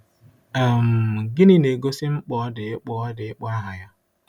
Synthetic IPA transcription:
a˨m̩˨ɡɪ˦nɪ˦ne˨ɡo˦sɪ˦ŋ͡m̩˦k͡pɔ˦ɔ˦dɪ˨ɪ˦k͡pɔ˦dɪ˨˦k͡pɔ˦a˦ɦa˨ja˦

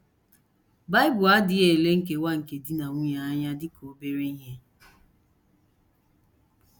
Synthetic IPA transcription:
ba˦ɪ˦bʊ˨a˦dɪ˨e˨le˦ŋ̩˨k̬e˨wa˦ŋ̩˨ke˨di˦na˨ŋʷ˦ɲa˦ɲa˦dɪ˦kʰo˨be˦ɾe˦ɦe˦

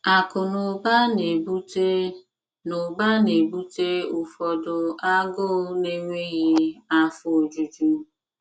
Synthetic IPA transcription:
a˨kʊ˨nʊ˨ba˦ne˨bu˦ | nʊ˨ba˦ne˨bu˦te˦ʊ˨fɔ˨dʊ˨a˦ɡʊ˦ne˦ŋʷe˦ɣi˦a˦fʊ˦o˨d͡ʒu˨d͡ʒu˦

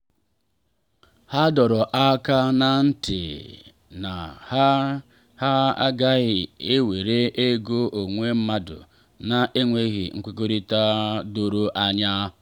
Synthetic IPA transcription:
ha˦dɔ˨ɾɔ˨ʔa˦ka˦na˨n̩˦tɪ̰˨ | na˨ha˦ | ha˦a̰˦ɡa˦ɣɪ˨e˦we˨ɾe˦ʔe˦ɡo˦ʔo˨ŋʷe˦m̩˦ma˦dʊ̰˨ | na˦ʔe˦ŋʷe˦ɣḭ˨ŋ̩˦kʷo˦ko˦ɾi˦ta˦do˨ɾo˦ʔa˦ɲa˦

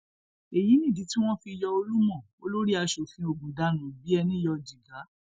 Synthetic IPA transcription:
e˨ji˨˦nĩ˦˨di˨˦ti˦w̃ɔ̃˦fi˧jɔ˧o˧lu˦mɔ̃˦˨o˦lo˦ɾi˦a˧ʃo˨fĩ˧˦o˨ɡũ˨da˧˦nũ˨bi˨˦ɛ˧nĩ˦jɔ˧d͡ʒi˨ɡa˨˦

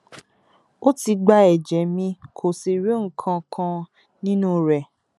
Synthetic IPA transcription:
o˦ti˧ɡ͡ba˧˦ɛ˨d͡ʒɛ˨mĩ˧kʰo˨si˨ɾi˨˦ŋ̩˨˦kʰã˧kʰã˧ | nĩ˦nũ˦˨ɾɛ˨

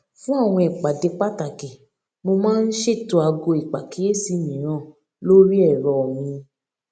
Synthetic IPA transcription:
fũ˦a˦˨w̃ɔ̃˧ɛ˨k͡pa˨de˧k͡pa˦ta˨kɛ˨ | mo˧mãː˦˧n̩˦ʃe˦˨to˧a˧ɡo˧i˨k͡pa˨ki˦je˦si˧mĩ˨ɾ̃ãː˦˨ | lo˦ɾi˦ɛ˦˨ɾɔ˨mĩ˧

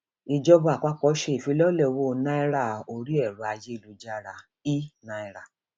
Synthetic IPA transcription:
i˧d͡ʒɔ˧bu˧˦a˨k͡pa˦k͡pɔ˧˦ʃe˦i˨fi˨˧˦lɔ˦lɛ˦˧wo˦˧nã˦i˦ɾa˦˨o˧˨ɾi˦ɛ˦˨ɾu˨˦a˧je˦i˦˨lu˨˧d͡ʒa˦˧ɾa˧ | i˦nã˧i˧ɾa˨

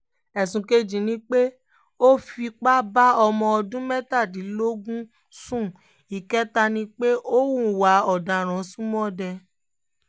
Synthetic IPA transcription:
ɛ˨sũ˨ke˧d͡ʒĩ˨nĩ˧˦k͡pe˦ | o˦fi˧k͡pa˦ba˦ɔ˧mɔ̃˧ɔ˧dũ˦mɛ˦ta˦˨di˨˦lo˦ɡũ˦ | sũ˦˨ | i˨kɛ˦ta˧nĩ˧˦k͡pe˦ʔo˦wũ˦˨wa˨˦ɔ˨da˨ɾ̃ɔ̃˨˦sũ˦mɔ̃˦dɛ˧

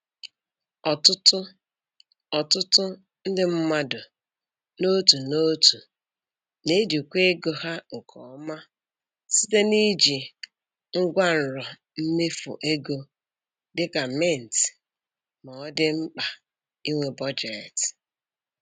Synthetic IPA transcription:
ɔ˨tʊ˦tʊ˦ | ɔ˨tʊ˦tʊ˦ | n̩˦dɪ˦m̩˦ma˦dʊ˨ | no˦tu˨no˦tu˨ | ne˦di˨kʷe˦e˦ɡo˨ha˦ŋ̩˨kʰɔ̰˨˦ma˦ | si˦te˦ni˦d͡ʒi˨ | ŋ̩˦ɡʷa˦n̩˨ɾɔ˨ | m̩˦me˦fʊ̰˨ʔe˦ɡo˦ | dɪ˦ka˨me˦˨n̩˨ti̥˨ | ma˨ɔ˦dɪ˦ŋ͡m̩˦k͡pa˨ | i˦ŋʷe˨bɔ˦d͡ʒe˨t

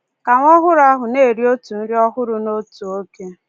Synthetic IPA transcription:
ka˨ŋʷɔ˦ɦʊ˦ɾa˦ɦʊ˨ne˦˨ɾi˦o˦tu˨n̩˦ɾi˦ɔ˦ɦʊ˦ɾʊ˨no˦tu˨o˦ke˦

